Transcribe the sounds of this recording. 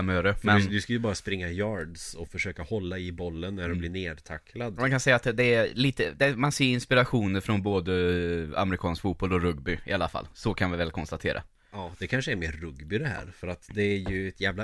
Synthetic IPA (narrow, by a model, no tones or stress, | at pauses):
møːɾəfmɛnd̪ɵskajɵbɑːɾaspɾɪŋːajɑːɖsɔfœʂøːkahɔlːaɪbɔlːənːædɔmblɪɳeːd̪t̪ʰakʰːlad̪mmankʰansɛjːat̪d̪ɛæliːt̪əd̪ɛmanseːɪnspɪɾaɧuːnəɾfɾɔnboːd̪əa̰mɾɪkʰɑːnskfuːt̪̚bɔlːɔɾɵɡbʏɪalːafa̰lːsɔkʰanvɪvɛlkʰɔnst̪at̪ʰḛːɾʔa̰ | ɑːd̪ɛkʰanʂəɛɾmeːɾːɵɡbɪd̪ɛɦæ̰ːɾfœɾat̪d̪ɛːɾjɵɛt̪ʰjæːvla